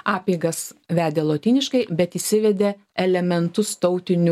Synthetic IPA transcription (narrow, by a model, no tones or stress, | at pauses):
ɑːpʲiːɡɐsʋʲæːd̪ʲeːlˠoːt̪ʲiːnʲɪʃkɐɪbʲɛt̪iːsʲɪʋʲɛd̪ʲe | ɛlʲɛmʲɛnt̪ʊst̪ɒʊt̪ʲɪnʲʊ